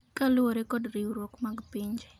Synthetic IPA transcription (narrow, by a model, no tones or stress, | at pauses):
kalʊoɾɛkɔdɾiwɾwɔkmaɡpiɲd͡ʒ